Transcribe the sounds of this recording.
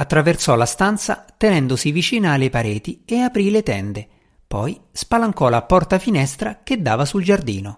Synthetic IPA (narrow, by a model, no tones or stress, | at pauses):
at̪ːɾaversɔlast̪ant̪sa̰t̪enɛnd̪osivit͡ʃiːnaːlːepaɾeːt̪ieapɾilet̪ɛnd̪e | pɔjspalaŋkɔlapɔrt̪afinɛst̪ɾak̟ed̪ːaːvasuld͡ʒard̪ḭːno